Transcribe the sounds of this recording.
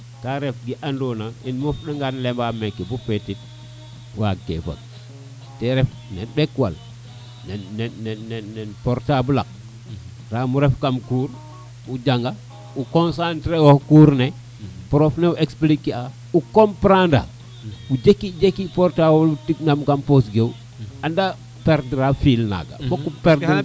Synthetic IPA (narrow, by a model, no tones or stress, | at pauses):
kaɾefɡiʔandɔnainmufɗaŋɡanlembamekːibufetit̚ | wa̰kḛfa̰k̚ | teɾɛf | nenbekwa̰l | nɛnnɛnɛːɛnɛnpoɾtabulak̚ | ramuɾɛfkamkuːɾ | ud͡ʒaŋɡa | ukonsantɾewohkuːɾne | pɾofneuʔeksplikːia | ukompɾanda̰ | ud͡ʒekːid͡ʒekːipoɾtawlutiknamkamposɡew | anda | peɾdɾafilna̰ɡa̰bokːupeɾd